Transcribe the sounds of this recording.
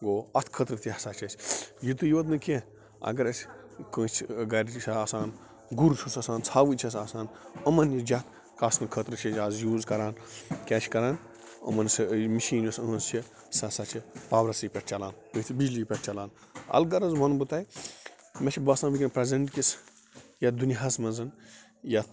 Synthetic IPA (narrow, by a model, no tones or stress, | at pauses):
ɡoːɐt̪ʰkʰət̪ɾɨt̪ʲihsaːt͡ʃʰɐt͡ʃʲjit̪ujʋɐd̪nɨkʲe | ɐ̰ɡɐɾɐsʲ | kə̃ːt͡ʃʰɡɐɾʲsaaːsaːn | ɡuɾt͡ʃʰusɐsaːnt͡sʰaːʋɨt͡ʃʰɐs̬aːsaːnəmɐnjid͡ʒat̪ | kaːsnɨkʰət̪ɾɨt͡ʃʰet͡ʃʲaːzjuːzkɐɾaːnkʲɛːt͡ʃʰʲkɐɾaːn | ɐ̰mɐnsmiʃiːnisənsʰi | sɐsɐt͡ʃʰipaːbɾɐsɨpʲeʈ̚ʰt͡ʃɐlaːnpɨt̪ʰibid͡ʒlijpʲeʈ̚ʰt͡ʃɐlaːn | ɐ̰lɡɐɾɐzbɐnbɨt̪aːj | met͡ʃʰʲibɐsaːnʋikʲinpɾezeɳʈkʲis | jɐd̪uniɦɐsmɐnzɐn | ja